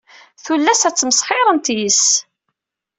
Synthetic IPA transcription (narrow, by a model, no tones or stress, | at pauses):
θulːæsæt͡sːməsχħɪɾˤənt̪is